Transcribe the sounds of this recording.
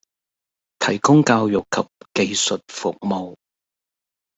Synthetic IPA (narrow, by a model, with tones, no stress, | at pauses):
t̪ʰɐ˨˩jkʊ˥ŋkaː˧wjʊ˨kkʰːɐ˨p̚ke˧jsɵ˨t̚fʊ˨k̚mo˨w